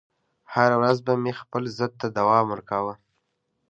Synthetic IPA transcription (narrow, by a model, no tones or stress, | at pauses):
haɾawɾazbamexpəlzəd̪̚t̪ad̪awɑməɾkawə